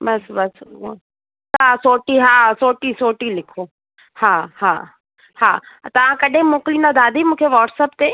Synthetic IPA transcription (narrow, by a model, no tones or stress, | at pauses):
bɐsbɐs | t̪ɐãsoːʈiɦaːsoːʈisoːʈilɪkʰo | hãːhãː | hãːt̪ɐʋãkɐɗẽmoːklĩnd̪ad̪aːd̪imũːkʰeʋɔːʈsəpt̪e